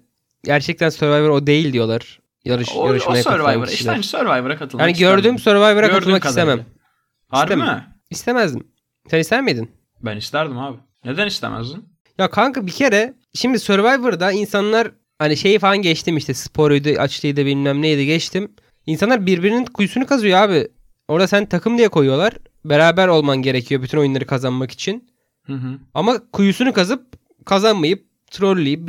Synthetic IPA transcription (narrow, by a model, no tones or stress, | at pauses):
ɟæɾt͡ʃʰɛc̚t̪ænsøɾvajvɯɾo̞d̪e̞jilʲd̪ijo̞lˠaɾ̥ | jaɾɯʃjaɾɯʃmajaksaøɾvajmɯɾsensøɾvajvɯɾakat̪ʰɯlˠaːniɟøaɾd̪yːmsøɾvajvɯɾakaɾɯlˠmakit̪emæm | hasɾem | ist̪ʰemæzd̪im | sɛnist̪ʰæɾmed̪in | bænist̪æɾd̪imaːbɪ | ned̪ænist̪ʰḛmʔæ̰zd̪in | jakʰaŋkɯbicʰe̞ɾɛ | ʃimd̪isøɾvajvɯɾd̪ainsanlˠaɾ | haniʃe̞jifalˠanɟɛt͡ʃt̪ʰimiʃt̪ʰɛspʰo̞ɾojd̪ɯʔa̰t͡ʃlˠɯjd̪abilʲnʲæmlʲijd̪iɟɛt͡ʃt̪ʰim | insanˠaɾbiɾbiɾininkʰujusunukʰazujoaːbi | o̞ɾd̪asænt̪ʰakʰɯmd̪ijɛkʰo̞jujo̞lˠaɾ̥ | be̞ɾaːbæɾo̞lˠmanɟe̞ɾe̞cʰijo̞byt̪ʰyno̞junˠaɾɯkʰazanmaki̥t͡ʃʰin | hɯ̃ɦɯamakʰujusunukazɯp̚ | kʰazanmajɯp̚ | t̪ʰɾolʲlʲːijip̚